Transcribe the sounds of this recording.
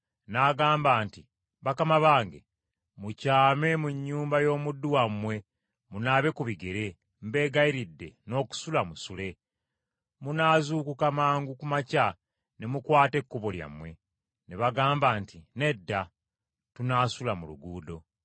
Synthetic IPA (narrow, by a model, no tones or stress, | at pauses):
naɡaːmbaːnti | βakamaβaːŋɡe̞̰ | mucaːme̞muɲːuːmbajo̞ːmudːuwamwe̞ | munaːβe̞kuβiɡeɾe̞ | mbe̞ːɡaiɾidːe̞̰no̞ːku̥sulamusule̞ | munaːzuːkukamaːŋɡukumaca | ne̞mukwaːte̞kːoβolja̰mwe̞̰ | neβaɡaːmbaːntine̞dːa | tunaːsulamuluɡuːdo̞